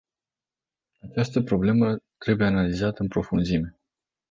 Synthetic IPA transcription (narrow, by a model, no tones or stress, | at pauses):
at͡ʃast̪əpɾo̞ble̞mət̪ɾe̞buje̞analizat̪əɨnpɾo̞funzime̞